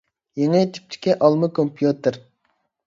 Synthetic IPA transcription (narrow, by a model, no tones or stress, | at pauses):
jeŋɪt̪ʰy̥p̚t̪ʰɪ̥kʲiʔɑlˠmɨkʰompʰjut̪ɨɾ